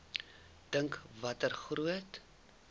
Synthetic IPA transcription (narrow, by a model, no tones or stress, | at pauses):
d̥əŋkvɐtərχruət